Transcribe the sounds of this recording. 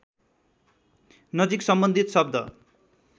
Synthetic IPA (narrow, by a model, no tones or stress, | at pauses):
nʌd͡ziksʌmbʌnd̪ʱit̪sʌb̚d̪ʌ̰